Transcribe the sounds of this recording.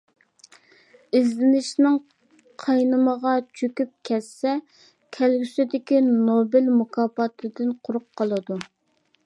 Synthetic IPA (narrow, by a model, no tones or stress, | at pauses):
ɪzlɪnɪʃnɪŋ | qʰɑjnɨməʁɑt͡ʃʰøkʲyp̚kʲʰɛsːɛ | kʲʰɛlɡʲysɪd̪ɪkʲinobɪlmukʰɑːpɑt̪ʰɨd̪ɨnqʰʊɾʊqʰːɑlˠɨd̪u